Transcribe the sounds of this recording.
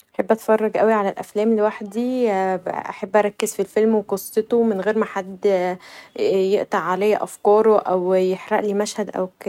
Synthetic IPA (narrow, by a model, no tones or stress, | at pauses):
ʔaħebːʔæt̪fɑrˤːɑɡʔæwiʕalælʔæflæːmliwaħd̪i | ʔa̰ħebːʔæɾˤɑkːezfilfelmweqosˤːet̪omɪnɣeːɾmæħad̪ː | jeʔt̪ˤɑʕːalæjːæʔæfkɑːɾˤoʔæwjeħɾɑ̰ʔliːmæʃhæd̪ʔæ̰wke